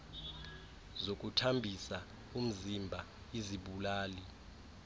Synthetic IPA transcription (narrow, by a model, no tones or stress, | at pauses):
zok̬ʼutʰambʱisa | um̩zimbʱa | iziɓulaːli